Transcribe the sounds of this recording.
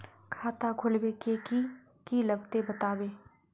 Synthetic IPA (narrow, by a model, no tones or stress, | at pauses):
kʰaːt̪aɡʱʊlbekeki | kilɐɡt̪ebɐt̪aːbeː